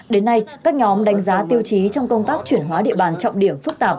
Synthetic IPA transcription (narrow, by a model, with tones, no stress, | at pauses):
ɗe˨˦nːa˧jkaː˦˥k̚ɲɔ˨˦mɗa˨˦jŋ̟zaː˨˦t̪i˧əwt͡ɕi˨˦t͡ɕɔ˧wŋ͡mkə˧wŋ͡mt̪aː˦˥k̚t͡ɕwi˧˩ənɦwaː˨˦ɗḭ˧əɓaː˧˩nt͡ɕɔ̰˧˨wŋ͡mɗi˧˩əmfɨ˦˥k̚t̪aː˨˩p̚